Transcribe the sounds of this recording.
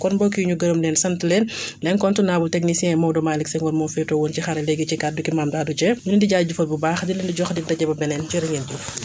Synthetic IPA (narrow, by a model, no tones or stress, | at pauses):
kɔnbɔːkijuɲuɡɐɾɐmdɛnsɐntəlɛnlɛnkɔntunaːbultɛknisiɛ̃ɛmɔwdɔmaːliksɛŋɡɔnmɔnfɛtowɔːncixɐɾɛlɛɡit͡ʃikat̚dukimaːmdaːdut͡ʃɛɲunindiɟaɟufɐlbubaːxdilɛndiɟɔxdik̚dɐɟɛbɐbɛnɛnt͡ʃiɾɐŋɛnd͡ʒuf